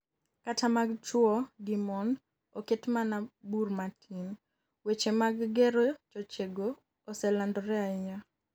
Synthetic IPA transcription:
katamaɡt͡ʃwɔdimɔn | oketmanaburmatʰin | wet͡ʃemaɡɡeɾot͡ʃɔt͡ʃeɡoː | sɛlandɔɾɛaɲa

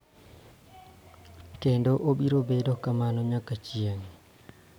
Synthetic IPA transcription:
kɛndɔʔoɓiɾɔbɛdɔkamanɔɲakːat͡ʃijaŋ

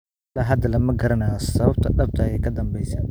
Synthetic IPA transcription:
lɐɦɐd̪ɐlɐmɐɡɐɾɐnaːsɐβɐb̚t̪ʰɐɗɐb̚t̪ʰɐjɛjkʰɐd̪ɐmbɛjsaː

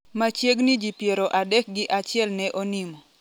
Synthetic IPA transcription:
mat͡ʃjeɡnid͡ʒipjeɾoʔadɛk̚ɡɪʔat͡ʃɪɛlnɛʔonimɔ

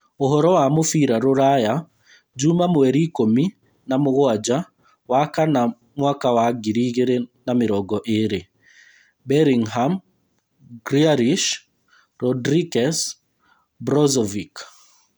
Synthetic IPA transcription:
oɦɔɾɔwamofiɾaɾoɾaja | d͡ʒumamwɛɾikomi | namoɣwad͡ʒa | wakana | mwakawaɡiɾiɣeɾenameɾɔɡɔʔeɾe | bɛɾiŋɦam | ɡɾiaɾiʃ | ɾɔdɾikɛs | bɾɔzɔvik

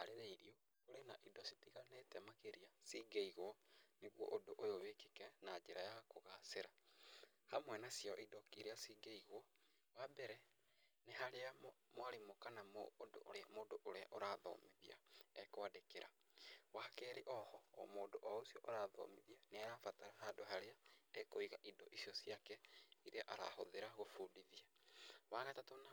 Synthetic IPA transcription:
aɾeɾeiɾio | oɾenaʔidɔsi̥tiɣanetɛmakeɾiasiɡeiɣwɔneɣwɔ̰ʔodoʔojoβekekɛnad͡ʒeɾajakoɣaseɾa | hamwɛnasjɔʔidɔkiɾeasiɡeiɣwɔ | wabɛɾɛ | nehaɾeamwaɾemokanamodo̰amodoʔoɾeaʔoɾaðɔ̰miðiaɛkwadekeɾa | wakɛɾiʔɔhɔːmoːdoʔɔosjɔʔoɾaðɔ̰miðianeaɾafataɾahaːdoɦaɾeaekoiɣaʔidɔʔisjɔsjakɛiɾeaʔaɾa̰hoðeɾaɣofudiðiawanatatona

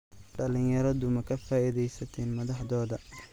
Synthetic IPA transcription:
ɖɐlɪjɐɾɐðʊmɐkʰɐfaːiðɛjsɐt̪ʰɛːnmɐðɑħðɔːðɐ

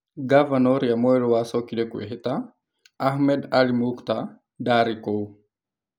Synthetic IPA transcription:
ɡavanɔɾiamɔɛlɔwasɔkidɛkuɛ̰ɦit̪a | axmɛdalimukta | daɾikow

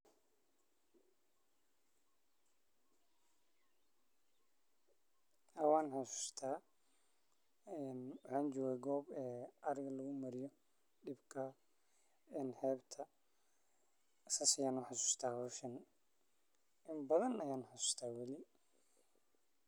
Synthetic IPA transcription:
hɐwaːnħasu̥ːst̪ʰaː | ɛnwɑħɑːnt͡ʃɔːɣaːɡɔːbɛːɐɾɪɣɐlɐɣʊmɐɾɪjɔ | ɖɪbkʰɐ | ɛːnhɛːbt̪ʰɐ | sɐsɐjaːnʊħasu̥ːst̪ʰaːhɔːʃɐn | ʔɪmbɐðɐnɐjaːnʊħasu̥ːst̪ʰaːwɐlɪ

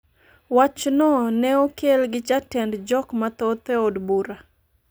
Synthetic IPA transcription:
wat͡ʃnɔnɛokelɡɪt͡ʃatɛndd͡ʒɔkmat̪ot̪ɛodbuɾa

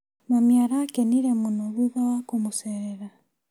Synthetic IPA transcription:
mamjaɾaːkɛniɾɛmonɔβuðawakomosɛɾɛɾa

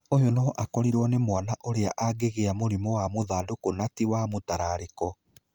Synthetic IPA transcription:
ojonɔʔakɔɾiɾwɔnemwanaʔoɾeaʔaɡeɣeamoɾimɔwamoðaːdokonatiwamotaɾaɾekɔ

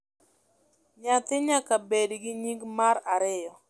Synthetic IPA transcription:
ɲat̪ɪɲakabedɡɪɲiɡmaɾaɾɪjɔ

